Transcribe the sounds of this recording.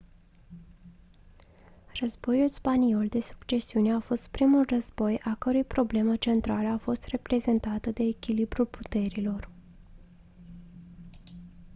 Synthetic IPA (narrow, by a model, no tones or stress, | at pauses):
rəzbo̞julspanio̞ld̪e̞su̥kt͡ʃe̞siune̞afo̞st̪̚pɾimulrəzbo̞jʔakəɾujpɾo̞ble̞mət͡ʃe̞nt̪ɾaləafo̞st̪re̞pɾe̞ze̞nt̪at̪əd̪e̞ːkʲilibɾulput̪e̞ɾilo̞r